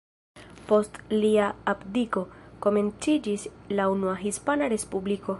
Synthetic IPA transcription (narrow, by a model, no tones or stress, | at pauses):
po̞stliaapdiko̞ko̞me̞nt͡sid͡ʒislaunuaɦispanaɾe̞spubliko̞